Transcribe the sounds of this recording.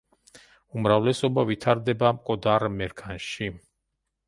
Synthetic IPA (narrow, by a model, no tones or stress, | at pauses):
umɾavlɛsɔbavit̪ʰaɾd̪ɛbamkʼɔd̪aɾmɛɾkʰanʃi